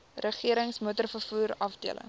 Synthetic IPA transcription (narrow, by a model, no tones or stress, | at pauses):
rəχiəɾəŋsmuətərfərfuːɾɐfdiələ̰ŋ